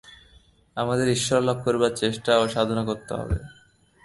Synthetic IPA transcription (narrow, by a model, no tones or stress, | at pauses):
amad̪eɾiʃːɔɾlab̚koɾbaɾt͡ɕeʃʈaoʃad̪ʱonakoɾt̪ːḛɦɔ̰bḛ